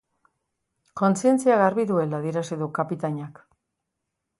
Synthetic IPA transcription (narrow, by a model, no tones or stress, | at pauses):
ko̞nsie̞nt͡siaɣaɾβiðue̞laðieɾasiðukapit̪aɲak